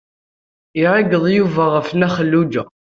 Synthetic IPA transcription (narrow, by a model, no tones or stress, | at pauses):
iɾaɡəðˤjuvæʁəfnæχəlːud͡ʒæ